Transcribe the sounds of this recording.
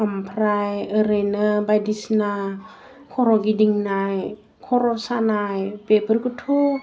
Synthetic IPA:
ampʰɾajəɾenabajdisna | kʰɔɾɔɡidiŋnaj | kʰɔɾɔsanajpepʰəɾkutʰu

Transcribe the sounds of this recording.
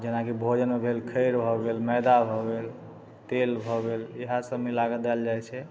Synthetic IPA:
d͡ʒenakibʱod͡ʒənmebʱelkʰəɪɾbʱɔɡelmɛd̪abʱɔɡel | t̪elbʱɔɡeleɦasəmilaɡəd̪ald͡ʒajt͡ʃʰɛ

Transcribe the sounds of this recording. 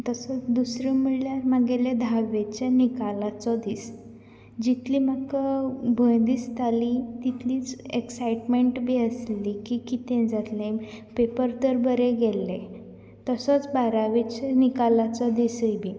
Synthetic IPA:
t̪əsət͡sd̪usɾiməɭljaɾmaɡeled̪ʱaʋet͡ɕanikalat͡sɔd̪iːs | d͡ʑit̪ʰliːmakabʱəjd̪ist̪ʰalit̪it̪ʰliːt͡seksajʈmeɳʈbʱiəslikikit̪ẽd͡zat̪lẽ | pepəɾt̪əɾbəɾeɡɛlːe | t̪əsət͡sbaɾaʋet͡ɕenikalat͡sɔd̪isəjbʱiː

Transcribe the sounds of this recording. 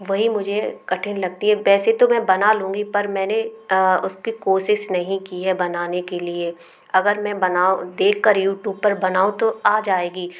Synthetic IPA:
ʋɐɦimʊd͡ʒʱekɐʈʰɪnlɐɡ̚t̪iɦɛʋɛːset̪omɛ̃bɐnalũːŋɡipɐɾmɛ̃ːneʊskikoːʃɪʃnɐɦĩkiɦɛbɐnaːnekelie | ɐɡəɾmɛ̃bɐnaːod̪eːkːɐɾjuːʈuːpɐɾbɐnaːũt̪oaːd͡ʒaːeːɡiː

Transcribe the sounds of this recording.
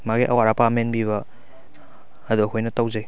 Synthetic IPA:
maɡiʔɐ̰waɾapamenbiβɐ | duɐkʰojnɐtawzej

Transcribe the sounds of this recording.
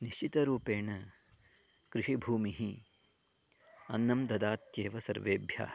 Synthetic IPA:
niʃt͡ʃit̪ɐɾuːpeːɳɐ | kɾiʂibʱuːmiɦi | ɐ̰nːɐmd̪ɐd̪aːt̪jeːʋɐsɐ̰ɾʋeːbʱja̰ː

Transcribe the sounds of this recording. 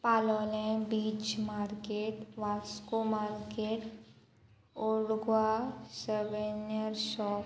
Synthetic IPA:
paːlɔːlɛ̃biːt͡ʃmaːɾkeːʈʋaːskomaːɾkeːʈ | oɽɡwasəʋenjəɾʃɔːp

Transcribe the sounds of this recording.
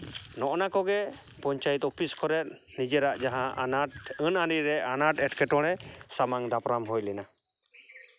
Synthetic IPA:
nɔʔnakɔɡɛ | pɔɲt͡ʃajt̪ɔpʰiskʰɔɾɛt̪̚nid͡ʒɛɾaʔd͡ʒaɦã | ənaɾiɾɛanaʈɛʈkɛʈɔɽ̃ɛsamaŋd̪apɾamɦɔjlɛna

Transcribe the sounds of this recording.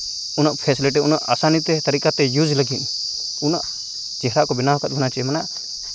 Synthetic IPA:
ʊnaʔpʰɛsleʈ̬ɛʊnaʔa̰ːsanit̪ɛt̪ɐɾikat̪ɛjuːd͡ʒləɡin | unaʔ | t͡ʃɛɦɾaʔkɔbɪnaɦɔkat̪̚bɔnat͡ʃɛɛmanaʔ

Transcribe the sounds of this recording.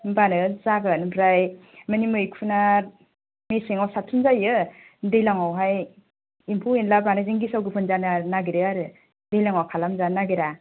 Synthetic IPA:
banɯzaɡɯnbɾajmɯnimɯjkʰuna | mesiŋawsatʰunzajɯ | dejlaŋawɦaj | impʰuinlabanɯziŋɡisawɡɯpʰɯnzananaɡiɾɯaɾɯ | dejlaŋawkʰalamzanaɡiɾa

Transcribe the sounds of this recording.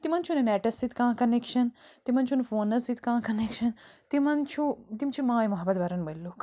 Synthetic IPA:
t̪imɐnt͡ʃʰuneneːʈɐsit̪kãːkɐnekʃɐnt̪imɐnt͡ʃʰunfoːnɐsit̪kãːkɐnekʃɐnt̪imɐnt͡ʃʰut̪imt͡ʃʰimãːjmɐɦɐbɐt̪ʋɐɾɐnbɐlːoːk

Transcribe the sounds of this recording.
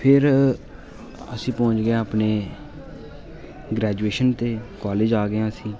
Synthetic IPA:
pʰɪɾ | ə̰sĩːpɔ̃ːʊɲt͡ʃɡɪãːaːpneː | ɡɾɛːd͡ʒueːʃənt̪eːkaːleːd͡ʒaːɡɪãːəsĩː

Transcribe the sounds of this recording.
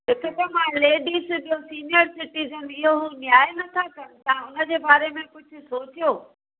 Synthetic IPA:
ɦɪkʰɪt̪ɐmãleːɖiːsɓijosiːnijəɾsɪʈiːzənɪɦoɦunjaːenɐt̪ʰakɐn̆t̪ɐãʊnə̆d͡ʑeːbaːɾemẽkʊd͡ʑʱʊ̆soːt͡ɕijoː

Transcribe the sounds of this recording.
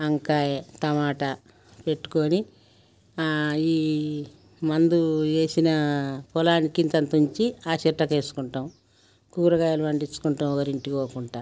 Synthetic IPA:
ɐŋkaːjet̪ɐmaːʈɐ | pe̞ʈːu̥koːni | iː | mɐnd̪ue̞ːsinɐpɔlaːnikint̪ɐnt̪ɐuɲt͡ʃiaːt͡ʃiʈːɐke̞ːsu̥kuɳʈɐm | kuːɾɐɡaːjalumɐɳɖit͡ʃːu̥kuɳʈɐmɔkɐɾiɳʈioːkuɳʈaː

